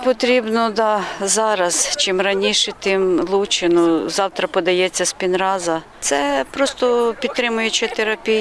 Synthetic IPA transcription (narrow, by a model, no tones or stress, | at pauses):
pɔt̪ɾʲibnɔd̪ɑzɑɾɐzt͡ʃɪmɾɐnʲiʃɛt̪ɪmlˠut͡ʃɪnʊzɑwt̪ɾɐpɔd̪ɐjɛt͡sʲːɐspʲinɾɑzɐ | t̪sɛpɾɔst̪ɔpʲid̪t̪ːɾɪmʊjet͡ʃɪt̪eɾɐpʲij